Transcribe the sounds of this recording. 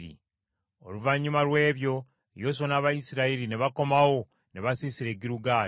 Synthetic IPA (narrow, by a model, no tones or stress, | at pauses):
ɾḭ | o̰luvaɲːumalwe̞ːβjo̞ | ejo̞s̬onaːβajisiɾaiɾineβako̞mawo̞ | neβasisiɾe̞ːɟiɾuɡaː